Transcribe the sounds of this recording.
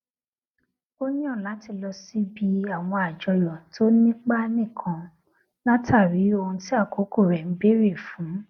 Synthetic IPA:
o˦nĩ˦ã˦˨la˨˦ti˦˧˨lɔ˧si˦bi˧˦a˦˨w̃ɔ̃˧a˨d͡ʒɔ˧jɔ˨tʰo˦nĩ˦k͡pa˦nĩ˦˨kʰã˧ | nã˦tʰa˦˨ɾi˨˦o˧hũ˧ti˦a˦˨ko˨˦ko˦˨ɾɛ˨n̩˦be˦ɾi˦˨fũ˨˦

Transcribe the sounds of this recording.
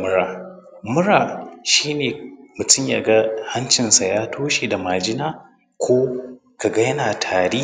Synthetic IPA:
mʊ˦ɾaː˨ | mʊ˦ɾaː˨ʃiː˦neː˨mʊ˨tʊ˦mja˨ɡa˦hɐ˦nt͡ʃɪ˨nsa˨jaː˦tʰoː˦ʃe˨da˨ma˨d͡ʒɪ˦naː˦ | kʷʰoː˦ | ka˨ɡa˦jɐ˦naː˨tʰaː˨ɾiː˦

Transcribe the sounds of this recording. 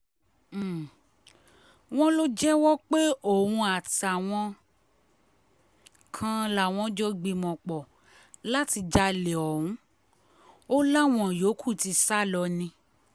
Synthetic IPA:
w̃ɔ̃˦lo˦d͡ʒɛ˦wɔ˦k͡pe˦o˦˨hũ˧a˨ta˨w̃ɔ̃˧ | kʰã˧˦la˨w̃ɔ̃˧˦d͡ʒɔ˧ɡ͡bi˧mɔ̃˨k͡pɔ˨ | la˦ti˧d͡ʒa˧le˨ɔ˨hũ˨˦ | o˦la˦w̃ɔ̃˦jo˨˦kʰu˦˨ti˧sa˦˨lɔ˧nĩ˧

